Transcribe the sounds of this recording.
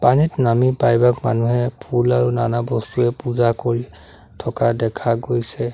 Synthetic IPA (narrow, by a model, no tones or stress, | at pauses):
panitnamipajbakma̰nuɦɛpʰulaɹunanabɔstuɛpuzakoɹi | tʰɔkadɛkʰaɡojsɛ